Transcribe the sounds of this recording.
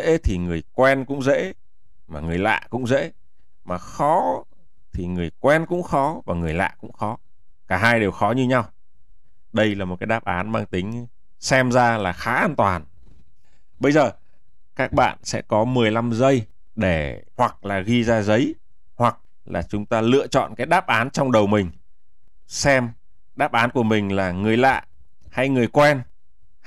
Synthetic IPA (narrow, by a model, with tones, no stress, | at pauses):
ḛ˧˥t̪ʰi˨˩ŋɨ˨˩əjkwɛ˧nkʊ̰˧˥ŋ͡mzḛ˧˥ | maː˨˩ŋɨ˨˩əjla̰ː˧˨kʊ̰˧˥ŋ͡mzḛ˧˥ | maː˨˩xɔ˨˦ | t̪ʰi˨˩ŋɨ˨˩əjkwɛ˧nkʊ̰˧˥ŋ͡mxɔ˨˦vaː˨˩ŋɨ˨˩əjla̰ː˧˨kʊ̰˧˥ŋ͡mxɔ˨˦ | kaː˧˩ɦaː˧jɗe˨˩wxɔ˨˦ɲɨ˧ɲa˧w | ɗə˧jlaː˨˩mo˨˩kaː˨˦jɗaː˦˥p̚ʔaː˨˦nmaː˧ŋt̪ï˨˦ŋ̟ | sɛ˧mzaː˧laː˨˩xaː˨˦ʔaː˧nt̪waː˨˩n | ɓə˧jzəː˨˩ | kaː˦˥k̚ɓa̰ː˧˨nsɛ̰˧˥kɔ˨˦mɨ˨˩əjla˧mzə˧j | ɗe˧˩ | hwa˨˩k̚laː˨˩ɣi˧zaː˧zə˨˦j | hwa˨˩k̚ | laː˨˩t͡ɕʊ˨˦ŋ͡mt̪aː˧lɨ̰˧˨ət͡ɕɔ̰˧˨nkaː˨˦jɗaː˦˥p̚ʔaː˨˦nt͡ɕɔ˧wŋ͡mɗə˨˩wmï˨˩ŋ̟ | sɛ˧m | ɗaː˦˥p̚ʔaː˨˦nku˧˩əmï˨˩ŋ̟laː˨˩ŋɨ˨˩əjla̰ː˧˨j | ha˧jŋɨ˨˩əjkwɛ˧n